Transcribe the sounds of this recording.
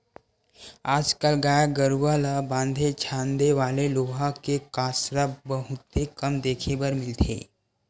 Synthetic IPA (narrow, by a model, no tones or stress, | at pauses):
aːd͡ʒkəlɡaːjaɡəɾuʋalabãːnd̪ʱet͡ʃʰãːnd̪eʋaːleloːɦãkekaːsɾabəɦʊt̪ːekɐmd̪eːkʰebəɾmɪlt̪ʰḛː